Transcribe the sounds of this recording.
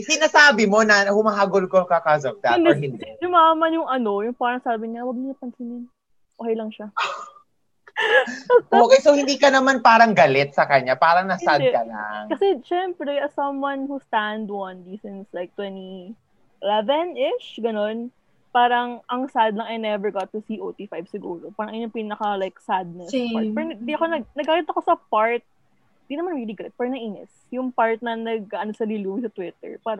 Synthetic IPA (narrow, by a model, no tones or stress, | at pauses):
sɪnasaːbɪmo̞nɐhʊmaɦaːɡolkokakasɔvd̪a̰tnd̪ɔɹhɪ̃nd̪ɛjʊmamɐjʊŋʔɐno̞jʊŋpaːɾɐŋsaːbɪɲɪɐwɐɡ̚nɪɲɐpɐnsɪnɪn | ʔoːkɐjlɐŋʃa | ʔokɛjsohɪnd̪iːkɐnɐmanpaːɾɐŋɡɐlɛt̪̚sɐkɐɲapaːɾɐŋnɐsad̪ɛkɐla̰ŋkɐsɛʃɛmpɾɛʔɐsɐmwanhust̪and̪ɐndisɪ̃nslajk̚t̪wɛni | ʔɪlɛvɛnɪt͡ʃɡɐno̞n | paːɾɐŋʔɐŋsad̪lɐŋɐjnɛvɛɹɡat̪ːʊsiʔoːt̪ifajbsɪɡuːɾopaːɾɐŋʔɪɲoŋpinɐkɐlajk̚sad̪̚nɛsɐpɛɾɐnd̪iɐkonɐɡ̚nɐɡkaːlɪt̪̚ːɐko̞sɐpaɹt̪̚ | nd̪inɐmanɾiliɡɐlɪt̪̚pɛɹɐnɐʔiːnɛ̰s | jʊŋpaɹt̪̚nɐnɐɡ̚aʔɐnosɐlɪluwsɐt̪wɪt̪ɛ̰ɹpaːɾɐ